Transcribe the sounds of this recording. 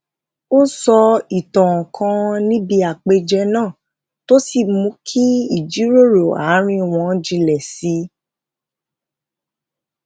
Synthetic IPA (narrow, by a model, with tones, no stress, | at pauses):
o˦sɔ˧i˨tɔ̃˨ɔ̃˨kʰã˧nĩ˦bi˧a˨k͡pe˧d͡ʒɛ˧nãː˦˨ | to˦si˦˨mũ˨˦kʰi˦i˦˨d͡ʒi˨˦ɾo˦˨ɾo˨a˨˦ɾ̃ĩ˧˨w̃ɔ̃˧˦d͡ʒi˧lɛ˨si˨˦